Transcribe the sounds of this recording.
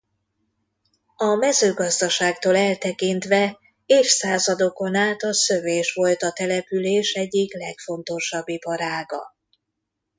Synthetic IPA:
ɒmɛzøːɡɒzd̪ɒʃaːkt̪oːlɛlt̪ɛkint̪ʋɛ | eːfsaːzɒd̪o̞ko̞naːlt̪ɒsøveːʃʋo̞lt̪ɒt̪ɛlɛpyleːʃɛɟːiklɛkfo̞nt̪o̞ʃɒbːipɒɾaːɡɒ̰

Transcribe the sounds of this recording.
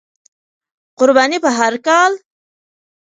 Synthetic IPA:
qʊɾbɑnipəɦaɾkɑl

